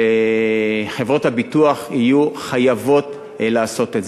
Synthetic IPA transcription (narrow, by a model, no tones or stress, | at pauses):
e | χevʁo̞thabituaχijuχajavo̞t | laːso̞tetz